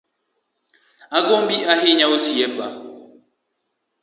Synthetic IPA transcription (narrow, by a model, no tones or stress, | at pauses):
aɡombiʔaɦiɲaosiɛpa